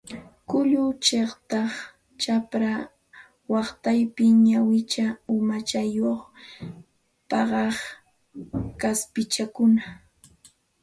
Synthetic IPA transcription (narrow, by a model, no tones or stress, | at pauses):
kʊʎʊt͡ʃeχt̪ɑχ | t͡ʃapɾa | wɑχt̪ajpɪɲawɪt͡ʃaʊmat͡ʃajoχ | pɑɢɑχ | kaspɪt͡ʃakʊna